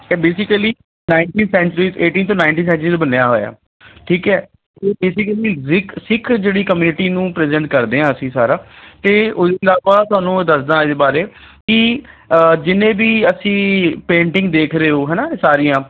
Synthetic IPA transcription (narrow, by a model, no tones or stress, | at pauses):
ɛːbeːsɪkəliː | naːɪɳʈiːnsɛ̃ːɲt͡ʃɾiːzeːʈiːnt̪õːnaːɪ̃ɳʈiːnsɛ̃ːɳt͡ʃɾiːt̪ːbənejaːɦo̰ːja̰ː | ʈʰiːkɛː | t̪eːbeːsɪkəliːsɪkʰsɪkʰd͡ʒeːɽiːkəmjuːnɪʈiːnũːpɾɛːzɛ̃ːɳʈ̚kəɾd̪eːãːəsĩːsaːɾaːt̪eːʊeɪlaːʋaːt̪ʊɦaːnũːd̪əsd̪ãːɪd̪eːbaːɾeːkɪ | d͡ʒɪnẽːbiːəsĩːpẽːɳʈɪ̃ŋɡ̚d̪eːkʰɾeːoːɦɛːnaːsaːɾijãː